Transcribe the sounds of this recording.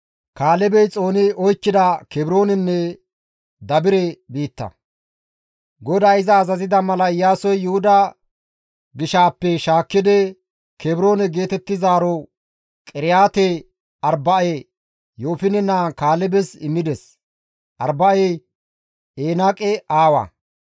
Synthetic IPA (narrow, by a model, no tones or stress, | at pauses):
kaːlɛbɛjt͡sʼo̞ːnɪɔjkːɪd̪ɐkɛbɪɾo̞ːnɪnːɛ | d̪ɐbɪɾɛbiːt̪ːɐ̰ | ɡɔd̪ɐɪzɐːzɐzɪd̪ɐmɐlɐɪjːaːsɔjːʊhʊd̪ɐ | ɡɪʃaːpːɛʃaːkːɪd̪ɛ | kɛbɾo̞ːnɛɡe̞ːt̪ɛt̪ːɪzaːɾɔ | kʼɪɾɪjaːt̪ɛ | ɐɾbɐe | jo̞ːfɪnɛnakaːlɛbɛsɪ̰mːɪd̪ɛs | ʔɐ̰ɾbɐe | eːnakʼɛʔaːwɐ̰